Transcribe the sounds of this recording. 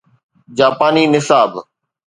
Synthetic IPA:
d͡ʑaːpaːniːnɪsaːb

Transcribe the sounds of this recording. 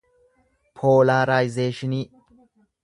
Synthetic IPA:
pʰoːlaːɾaːjɪzeːʃɪni

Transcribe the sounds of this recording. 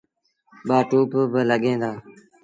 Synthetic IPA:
ɓaːʈuːpbələɠẽːnd̪aː

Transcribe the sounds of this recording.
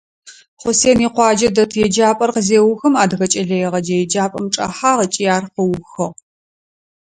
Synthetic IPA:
χʷʊseːniːqʷɑːd͡ʒɐdɐtʰjɛd͡ʒaːpʼɐrqəzeːwʊxɐmaːdɣɐt͡ʃʼɐɮɐjɛʁɐd͡ʒɐjɛd͡ʒaːpʼɐmʈ͡ʂʼɐ̰ħaːʁɐt͡ʃʼijaːrqɐwʊxɐʁ

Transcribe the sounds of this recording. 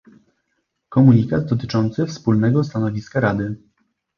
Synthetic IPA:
kɔmuɲikad̪d̪ɔt̪̬ɘ̥t͡ʂɔnt̪sɘfspulnɛɡɔst̪anɔvʲiskaɾad̪ɘ

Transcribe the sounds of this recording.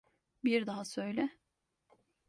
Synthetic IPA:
biɾd̪aɦasø̞jlʲɛ

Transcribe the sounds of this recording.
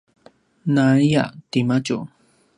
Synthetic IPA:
naɾija̰t̪imat͡ʃṵ

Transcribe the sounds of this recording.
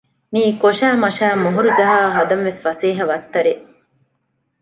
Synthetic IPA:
miːkoʃæːmɐʃæːmuɦuɾud͡ʒɐɦaːɦɐd̪ɐnʋesfɐsiːɦɐʋɐt̪ːɐɾe

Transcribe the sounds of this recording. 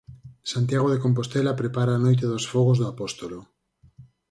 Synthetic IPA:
sant̪jaɣ̞oð̞ekomp̬ost̪elapɾepaɾaːnojt̪̬eðosfoɣ̞ozðoapost̪olo

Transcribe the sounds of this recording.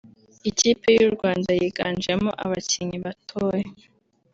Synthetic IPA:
iciːpe̞juɾɡwaːndajiɡaːnd͡ʒemo̰ʔaβaciɲiβatʰoːje

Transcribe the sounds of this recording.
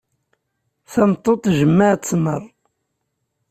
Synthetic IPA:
θæmt̪ˤːot̪ˤʒəmːaʕt͡sːmərˤ

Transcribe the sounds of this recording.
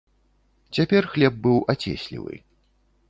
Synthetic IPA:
t͡sʲapʲɛrxlʲɛb̚bɨwat͡sʲɛ̰sʲlʲḭvɨ̰

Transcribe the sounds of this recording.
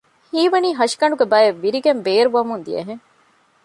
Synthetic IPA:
hiːʋɐniːɦɐʃi̥kɐɳɖuɡebɐeʋːiɾiɡembeːɾuʋɐmund̪ijɐ̰ɦeŋ

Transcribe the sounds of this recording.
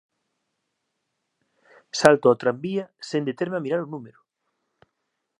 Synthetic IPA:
salt̪ʊat̪ɾambiɐsend̪et̪eɾmeamiɾaɾʊnumeɾʊ

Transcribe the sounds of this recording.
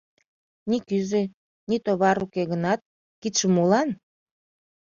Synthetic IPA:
nikyze | nit̪oβɑɾukeɣənɑt̪̚ | kit̪ʃəmulɑn

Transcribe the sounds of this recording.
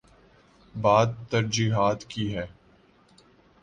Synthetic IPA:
baːd̪̚t̪ɐɾd͡ʒiːɦaːt̪kiɦɛː

